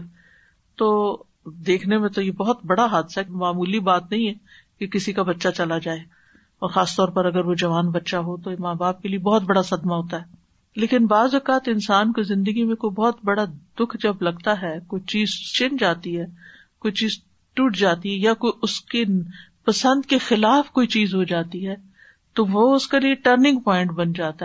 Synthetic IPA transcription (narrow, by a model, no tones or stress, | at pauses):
t̪oː | d̪eːkʰnemẽt̪ojebɔɦʊt̪bɐɽaɦaːd̪ɪsaɦɛmaːmuːlibaːt̪nɐɦĩɦɛ | kekɪsikabɐtːʃat͡ʃɐlad͡ʒaːe | ɔːɾxaːst̪ɔːɾpɐɾɐɡəɾʋod͡ʒɐʋaːnbɐtːʃaɦot̪oɪmaːbaːp̚keliebɔːt̪̚bɐɽasɐd̪maɦoːt̪aɦɛː | leːkɪnbaːzʋɐkaːt̪ɪnsaːnkizɪ̃nd̪əɡimẽkoibɔːt̪bɐɽad̪ʊkʰd͡ʒɐblɐɡt̪aɦɛːkoːit͡ʃiːzt͡ʃɪ̃nd͡ʒaːt̪iɦɛː | koːit͡ʃiːz | ʈuːʈd͡ʒaːt̪iɦɛjakoiʊske | pɐsə̃nd̪kexɪlaːfkoːit͡ʃiːzɦod͡ʒaːt̪iɦɛː | t̪oʋoʊskalieʈəɾnɪ̃ŋɡpɔːɪ̃ɳʈbɐnd͡ʒaːt̪a